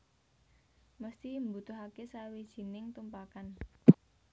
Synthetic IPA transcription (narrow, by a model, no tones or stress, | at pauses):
məst̪imbut̪ʊɦakesawid̥ʒ̥i̤nɪŋt̪umpakan